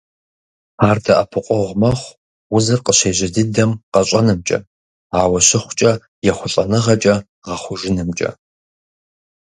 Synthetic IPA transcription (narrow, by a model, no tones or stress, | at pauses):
aːrdɐʔɐpʰɨqʷʼɔʁʷmɐχʷ | wʊzɨrqəɕeːʑɐdɨdɐmqɐɕʷʼɐnɨmt͡ʃʼɐ̰ | aːwɐɕɪχʷʊt͡ʃʼɐ | jɛχʷʊɬʼɐnɨʁɐt͡ʃʼɐ | ʁɐχʷʊʒɪnɨmt͡ʃʼɐ̰